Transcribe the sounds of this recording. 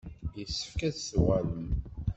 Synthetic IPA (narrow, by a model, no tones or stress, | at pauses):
jəsːə̥fkæðswæləm